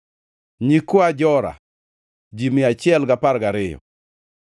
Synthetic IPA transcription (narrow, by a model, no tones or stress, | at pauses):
ɲikʊad͡ʒɔɾa̰ | d͡ʒimɪat͡ʃɪɛlɡapaɾɡaɾɪjɔ̰